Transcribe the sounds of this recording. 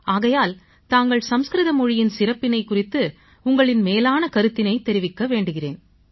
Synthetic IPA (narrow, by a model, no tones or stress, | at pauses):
aːɣɐjaːl | t̪aːŋɡɐɭsɐmskɾɪðɐmɔɻɪjɪnsɪrɐpːɪnɐɪkːʊrɪt̪ːɯ | ʊŋɡɐɭɪnmeːlaːnɐkɐɾɯt̪ːɪnɐɪt̪ːɛɾɪʋɪkːɐʋeːɳɖɯɣɪrḛːn